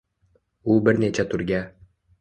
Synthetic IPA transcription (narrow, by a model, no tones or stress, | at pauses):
ubɪɾnet͡ʃæt̪ʰɵɾɡʲæ